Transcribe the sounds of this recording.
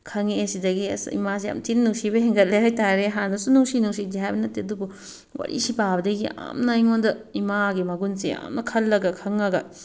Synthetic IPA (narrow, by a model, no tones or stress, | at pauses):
kʰɐŋesidɐɡḭsḭmas̬eja̰mtinnːuŋsibɐɦeŋɡɐt̚leɦajtaɾeɦanɐsunuŋsinuŋs̬iɡd͡ʒiɦajbɐnɐtːeɐdubu | wɐ̰ɾʔḭsipabɐdɐɡia̰mnɐiŋondɐimaɡimɐɡunsea̰mnɐkʰɐlːɐɡɐkʰɐŋɐɡɐ